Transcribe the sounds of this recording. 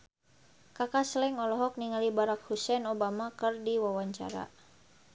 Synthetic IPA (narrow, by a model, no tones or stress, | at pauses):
kakaslɛŋɔlɔɦɔk̚niŋalibaɾak̚husɛnobamakɨrdiwawaɲt͡ʃa̰ɾa̰